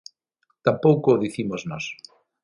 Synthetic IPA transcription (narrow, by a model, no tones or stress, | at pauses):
t̪ampowkoðiθimoznos